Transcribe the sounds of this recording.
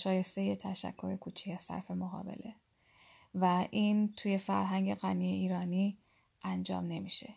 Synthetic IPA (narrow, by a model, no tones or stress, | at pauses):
ʃɒːje̞st̪e̞jet̪ʰæʃæ̰kʰːo̞ɾekʰuːt͡ʃʰi̥cæsæ̰ɾfe̞moɣɒ̰ːbe̞̰le | væʔiːnt̪ʰuːje̞fæɾɦæŋɟe̞ɣænijeiːɾɒːni | ʔænd͡ʒɒ̰ːmne̞miʃe